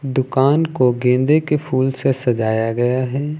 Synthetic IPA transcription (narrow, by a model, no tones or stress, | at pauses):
d̪ʊkaːnkoɡẽːnd̪ekepʰuːlsesɐd͡ʒaːjaɡɐjaɦɛː